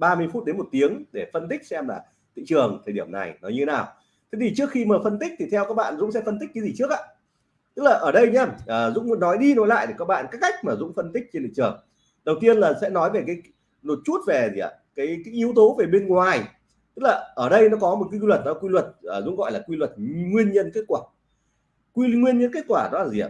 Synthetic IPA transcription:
ɓaː˧mɨ˧əjfu˦˥t̚ɗe˨˦nmo˨˩t̚t̪i˨˦əŋɗe˧˩fə˧nt̪̬ï˦˥k̟̚sɛ˧mlaː˨˩ | t̪ʰḭ˧˨t͡ɕɨ˨˩əŋt̪ʰəː˨˩ɗi˧˩əmna̰˨˩jnɔ˨˦ɲɨ˧t̪ʰe˨˦naː˨˩w | t̪ʰe˨˦t̪ʰi˨˩t͡ɕɨ˦˥əkxi˧məː˨˩fə˧nt̪i˦˥k̟̚t̪ʰi˨˩t̪ʰɛ˧wkaː˦˥k̚ɓa̰ː˧˨nzʊ̰˧˥ŋ͡msɛ̰˧˥fə˧nt̪i̟˦˥kːa˨˦jzi˨˩t͡ɕək̚ʔaː˧˥ | t̪ɨ˦˥k̚laː˨˩ʔəː˧˩ɗə˧jɲa˧mʔəː˨˩zʊ̰˧˥ŋ͡mnɔ˨˦jɗi˧no˨˦jla̰ː˧˨jɗ̪e˧˩kaː˦˥k̚ɓa̰ː˧˨nkaː˦˥kːa˦˥jk̟̚maː˨˩zʊ̰˧˥ŋ͡mfə˧nt̪ï˦˥k̟̚t͡ɕnt̪ḭ˧˨t͡ɕɨ˨˩əŋ | ɗə˨˩wt̪i˧ənlaː˨˩sɛ̰˧˥nɔ˨˦jve˨˩k̬aː˨˦j | no˨˩t̚t͡ɕu˦˥t̚ve˨˩zḭ˨˩ə̰˨˧˩ | kaː˨˦jkaː˨˦ʔi˨˦wt̪o˨˦ve˨˩ɓe˧nŋwaː˨˩j | t̪ɨ˦˥k̚laː˨˩ʔəː˧˩ɗə˧jnɔ˨˦kɔ˨˦mo˨˩ka˨˦˧wə˨˩t̚ɗɔ˨˦kwi˧lwə˨˩t̚əː˨˩zʊ̰˧˥ŋ͡mŋɣɔ̰˧˨jlaː˨˩kwi˧lwə˨˩t̚ŋwi˧ənɲə˧nke˦˥t̚kwaː˧˩ | kwi˧ŋwi˧ənɲə˧nke˦˥t̚kwaː˧˩ɗɔ˨˦laː˨˩zḭ˨˩ə̰˧

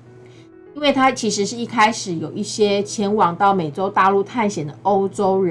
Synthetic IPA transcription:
i˥nwe˥˩ɪt̪ʰa˥t͡ɕʰi˧˥ʂɻ̩˧˥ʂɻ̩˥˧˩i˥˩kʰa˥ɪʂɻ̩˨˩˦jo˨˩ʊi˥˩ɕjɛ˦˥t͡ɕʰjɛ˧˥nwɑ˨˩ŋt̪ɑ˥˩ʊme˨˩ɪʈ͡ʂo˥ʊt̪a˥˧lu˥˧t̪ʰa˥˩nɕjɛ˨˩nd̪ə˩ʔo˥ʊʈ͡ʂo˥ʊɻə˦

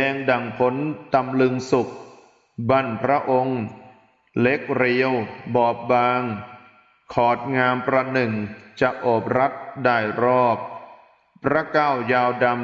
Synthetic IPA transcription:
ɛː˧ŋda˨˩ŋpʰo˦˥nt̪a˧mlɯ˧ŋsu˨˩k̚ | ba˧˩npʰɾa˦˥ʔo˧ŋ | le˦˥k̚ɾi˧əwbɔː˨˩p̚baː˧ŋ | kʰɔː˨˩t̪̚ŋaː˧mpɾa˧nɯ˨˩ŋt͡ɕa˨˩ʔʔoː˨˩p̚ɾa˦˥t̪̚daː˥˩jɾɔː˥˩p̚ | pːʰɾa˦˥kaː˥˩wjaː˧wda˧m

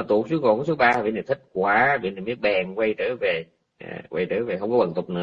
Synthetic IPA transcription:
t̪ṵ˨˧˨su˨˦ko̰˨˧˩kso˨˦ɓaː˧a˨˩vḭ˧˨nə˨˩t̪ʰï˦˥k̚kwaː˨˦vḭ˧˨na˨˩mi˦˥ət̚ɓɛː˨˩ŋkwe˧jt̪ɨ̰ː˧˥˦ve˨˩ | a˨˩kwə˧jt̪ɨ̰ː˧˥ve˨˩ɦə˧wŋ͡mkɔ˨˦ɓə˨˩nt̪ʊ˨˩k͡p̚nɨ̰˨˧˦

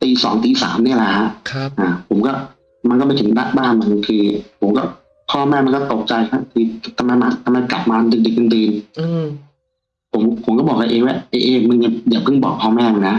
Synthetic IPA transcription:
t̪iː˧sɔ̰ː˩˦ŋt̪iː˧sa̰ː˩˦mni˥˩ɐla˨˩ha˦˥ʔkʰʔaː˧˨˩pʰo˩˦mkɔː˥˩ | ma˧nkɔː˥˩ma˧jt̪ʰŋda˦˥ʔ̚baː˥˩nma˧˩˧kʰɯː˧pʰo˨˩˦mkɔː˥˩ | kʰɔː˥˩mɛː˥˩ma˧nkɔː˥˩t̪o˨˩k̚t͡ɕa˧jkʰa˦˥k̪ʰɯː˧t̪ʰa˧mːa˧jmaː˧˥t̪ʰa˧mːa˧jkla˨˩p̚maː˧la˧ndɯ˧k̚di˨˧˩k̚ːa˧ndiː˧n˧ | pʰo˨˩˦mpʰo˨˩˦kɔː˥˩bɔː˨˩k̚a˧ʔeː˧ŋwa˦˥˩ʔe˧ʔeː˧˩mɯ˧ŋa˧˩jaː˨˩pʰɯ˥˩ŋbɔ̰ː˨˩k̚pʰːɔː˥˩mɛː˥˩ma˧ŋna˦˥ʔ

